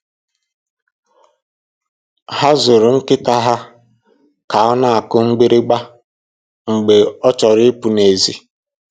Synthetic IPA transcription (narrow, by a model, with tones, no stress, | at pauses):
ha˦zʊ˨ɾʊ˨ŋ̩˦kɪ˦ta˦ɦa˦ | ka˨ɔ˦na˦˨a˨kʊ˦ŋ͡m̩˦ɡ͡bi˦ɾɪ˦ɡ͡ba˦ | ŋ͡m̩˨ɡ͡be˨ɔ˦t͡ʃɔ˨ɾɪ˦pu˨ne˨zi˦